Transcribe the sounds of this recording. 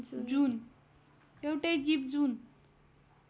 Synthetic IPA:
d͡zun | ewʈejɡip̚d͡zun

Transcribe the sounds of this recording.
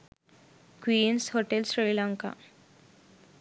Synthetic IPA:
kʋiːnshoʈelɕɾiːlaŋka̰

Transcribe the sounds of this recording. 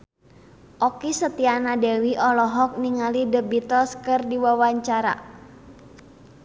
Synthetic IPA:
ʔɔkisət̪ianadewiʔɔlɔɦɔk̚niŋalidəbit̪ɔskərdiwawaɲt͡ʃaɾa̰

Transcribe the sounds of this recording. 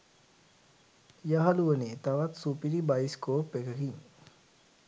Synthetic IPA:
jaɦɐluʋəneːt̪aʋat̪supiɾibajskoːpːekəkiŋ

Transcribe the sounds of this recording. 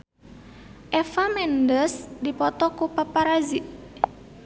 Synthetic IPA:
ʔɛfamɛndəsdipɔt̪ɔkupapaɾaziʔ

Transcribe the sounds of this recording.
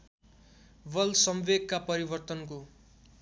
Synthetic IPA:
bʌlsʌmʋeɡ̚kapʌɾibʌrt̪ʌnko

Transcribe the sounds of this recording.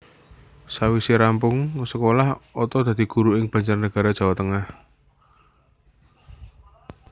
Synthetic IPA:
sawisiɾampʊŋsəkolahɔt̪ɔd̪̥a̤d̪̥i̤ɡ̥uɾuɪŋb̥a̤ɲd͡ʒarnəɡ̥a̤ɾad̥ʒ̥a̤wat̪əŋah

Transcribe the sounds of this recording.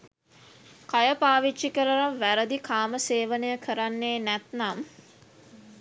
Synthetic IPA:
kajəpaːʋiʃikəɾəɾaʋæɾəd̪ikʰaːməseːʋənəjəkʰəɾanːeːnɛt̪nam

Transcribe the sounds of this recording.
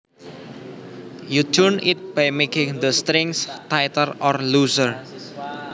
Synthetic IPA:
ju̥d͡ʒʊnɪt̪̚b̥ajmekɪ̃ŋd̪əst̪ɾɪŋst̪ajt̪ərɔrlusər

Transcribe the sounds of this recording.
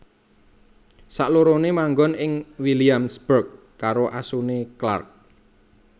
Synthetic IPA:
saʔloɾonemaŋɡɔnɪŋwiliamsb̥ərk̚ː | aɾoʔasunekla̰rk̚

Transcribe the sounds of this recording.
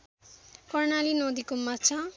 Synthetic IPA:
kʌrnalinod̪ikomat͡sʰa

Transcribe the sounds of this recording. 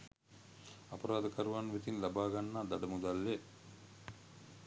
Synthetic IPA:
apɐɾaːd̪əkəɾuʋanːʋet̪inlabaːɡanːaːd̪aɖəmud̪alːe

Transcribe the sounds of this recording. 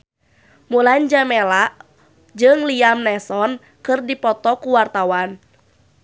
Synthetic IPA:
muland͡ʒamɛlaʔ | d͡ʒɨŋliamnɛsɔn | kɨrdipɔt̪ɔkuwart̪awan

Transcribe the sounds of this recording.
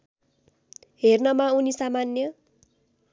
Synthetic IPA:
ɦernʌmaunisamanːjʌ

